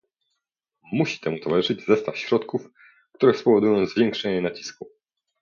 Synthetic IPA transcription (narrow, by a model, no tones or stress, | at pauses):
muɕi̥t̪ɛmut̪ɔvalɨʐʂɘd͡ʑzɛst̪afɕɾɔt̪kuf | kt̪uɾɛspɔvɔd̪ujɔ̃w̃zvʲjɛŋkʂɛɲɛnat͡ɕi̥sku